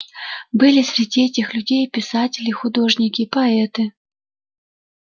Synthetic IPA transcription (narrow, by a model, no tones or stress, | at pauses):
bɨlʲɪsʲɾʲɪdʲiɛtʲɪxlʲʉdʲejpʲɪsatʲɪlʲɪxʊd̪o̞ʐnʲɪkʲɪpɐɛt̪ɨ